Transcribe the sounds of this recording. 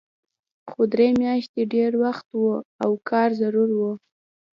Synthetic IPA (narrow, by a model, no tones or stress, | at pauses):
xod̪ɾemjɑʃt̪eɖeɾwaxt̪woawkʰɑɾzaɾuɾwo